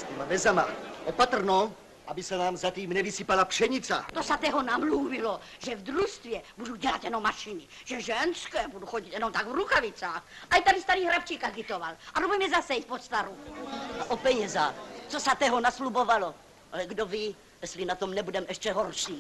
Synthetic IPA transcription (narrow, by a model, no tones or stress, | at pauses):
st̪imamɛzama̰ʔopat̪r̩no | ʔabɪsanaːmzat̪iːmnɛvisipalapʃɛɲɪt͡sa̰t̪osat̪ɛːɦonamluvɪlo | ʒɛvd̪ɾust̪vjɛbuduɟɛlat̪jɛnomːaʃɪnɪ | ʒ̥ɛʒɛnskɛːbuduxoɟit̪jɛnomt̪aɡvɾuxavɪt͡saːxʔajit̪adɪst̪aɾiːɦɾap̚t͡ʃiːkaɡɪt̪ovalʔaobuɛmɛzasɛit̪̚pot̪st̪aɾuaʔopɛɲɛzat͡sosat̪ɛːɦonaslubovalo | alɛɡdoviː | jɛst̪linat̪omnɛbudɛmʔɛʃt͡ʃɛɦorʃiː